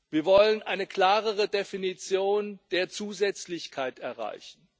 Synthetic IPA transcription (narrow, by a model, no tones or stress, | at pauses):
viːɐvɔlənʔaɪnəkl̥aːʁəʁ̞ədefinit͡sjoːnd̥eːɐt͡suːzɛt͡slɪçkʰaɪtɛɐʁa̰ɪçn̩